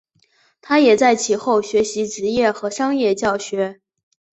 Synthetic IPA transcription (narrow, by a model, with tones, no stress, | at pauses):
t̪ʰa˥jɛ˨˩t͡sa˥˩ɪt͡ɕʰi˨˩xo˥˩ʊɕɥɛ˧˥ɕi˧˥ʈ͡ʂɻ̩˧˥jɛ˥˩xɤ˧˥ʂɑ˥ŋjɛ˥˧t͡ɕjɑ˥˩ʊɕɥɛ˧˥